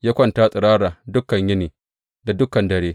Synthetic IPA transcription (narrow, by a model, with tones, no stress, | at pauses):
jaː˦kʷɐ˦˨ntaː˦sʼɪ˨ɾaː˦ɽaː˨dʊ˦kːɐ˨ɲjɪ˦niː˨ | da˨dʊ˦kɐ˨ndɐ˨ɽeː˦